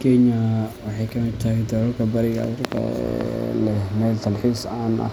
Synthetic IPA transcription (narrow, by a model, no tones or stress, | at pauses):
kʰɛɲɐwɑħɑjkʰɐmɪd̪̚t̪ʰɐɦɛjd̪ɔlɔlkʰɐbɐɾɪɣɐɐrkʰɐ̰ | lɛmɛːlt̪ʰɐlħiːsaːnʔɐ̰